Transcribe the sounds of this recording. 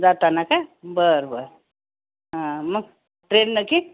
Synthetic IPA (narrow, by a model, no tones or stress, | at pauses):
d͡zat̪anakabəɾbəɾ | ɦãməɡ | ʈɾennəki